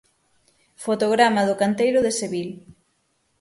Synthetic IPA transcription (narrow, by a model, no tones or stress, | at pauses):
fot̪oɣɾamaðʊkant̪ejɾʊðeseβil